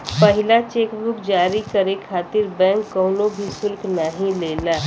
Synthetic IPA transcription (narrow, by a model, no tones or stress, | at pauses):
pəɦɪlat͡ʃeːkbʊkd͡ʒaːɾikəɾekʰaːt̪ɪɾbɛ̃ːŋkːəːnobʱisʊlkʰnaɦĩleːlaː